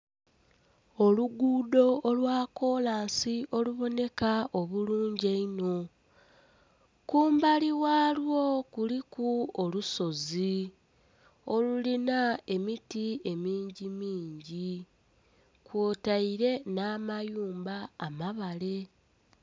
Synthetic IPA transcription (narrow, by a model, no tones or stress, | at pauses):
oluɡuːdo̞ːlwaːko̞ːlaːnsiʔo̞luβo̞ne̞kaʔo̞βuluːɲɟeino̞ | kuːmbaliwaːlwo̞kulikuoluso̞zi | o̞lulinae̞mitie̞miːɲɟimiːɲɟi | kwoːtaiɾe̞naːmajuːmbaːmaβale̞